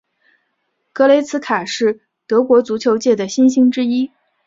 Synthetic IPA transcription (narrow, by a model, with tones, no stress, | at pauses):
kɤ˧˥le˧˥ɪt͡sʰɹ̩˧˥kʰa˨˩ʂɻ̩˥˩ | t̪ɤ˧˥kwɔ˧˥t͡su˧˥t͡ɕʰjo˧˥ʊt͡ɕjɛ˥˩d̪ə˩ɕi˥nɕi˥ŋʈ͡ʂɻ̩˥i˥